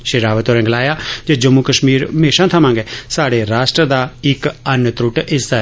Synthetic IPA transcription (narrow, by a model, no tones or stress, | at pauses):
ʃɪɾaːʋət̪oːɾɛ̃ŋɡlaːjaːd͡ʒeːd͡ʒəmukəʃmiːɾmeːʃãːt̪ʰəmãːŋɡeːsaːɽeːɾaːsʈɾəd̪aːɪkənt̪ɾʊʈɪs